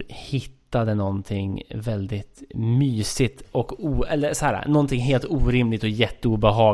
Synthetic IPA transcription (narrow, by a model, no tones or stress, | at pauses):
hɪt̪ːad̪ənɔnt̪ʰɪŋvɛld̪ɪt̪myːsɪt̪ɔkuːɛlːəɾsɔhæːɾa̰nɔnt̪ʰɪŋɦeːlt̪uːɾɪmlɪɡ̚t̪ɔjɛt̪ːəuːbɛɦɑː